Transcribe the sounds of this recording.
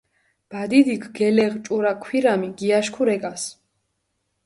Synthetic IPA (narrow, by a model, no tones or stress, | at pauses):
b̥ad̪id̪ikʰɡɛlɛʁt͡ʃʼuɾakʰwiɾamiɡiaʃkʰuɾɛkʼas